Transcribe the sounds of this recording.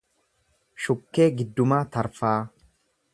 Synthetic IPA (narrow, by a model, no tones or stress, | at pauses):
ʃʊkːe̞ːɡɪd̪ːʊmaːt̪ɐɾfaː